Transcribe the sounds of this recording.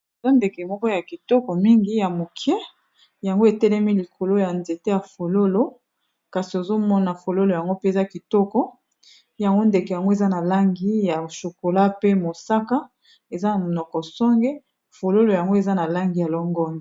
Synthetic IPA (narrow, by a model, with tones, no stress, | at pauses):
e˨za˦nde˨kɛ˨mɔ˦kɔ˦ja˨ki˨tɔ˦kɔ˨mi˦ŋɡi˦ja˨mo˨kʰjɛ˦ | ja˨ŋɡo˦e˨tɛ˦lɛ˦mi˦li˨kʰo˨lo˦ja˨nze˨te˦ja˨fo˨lo˦lo˦ | ka˨si˨o˨zo˦mɔ˦na˨fo˨lo˦lo˨ja˨ŋɡo˦pe˦˨za˦ki˨tɔ˦kɔ˦ | ja˨ŋɡo˦nde˨kɛ˨ja˨ŋɡo˦e˨za˦na˨la˦ŋɡi˦ja˨ʃo˨ko˨la˦pe˦mo˨sa˦ka˦ | e˨za˦na˨nɔ˨kɔ˨sɔ˦ŋɡɛ˦ | fo˨lo˦lo˨ja˨ŋɡo˦e˨za˦na˨la˦ŋɡi˨ja˨lɔ˦ŋɡɔ˦ni˨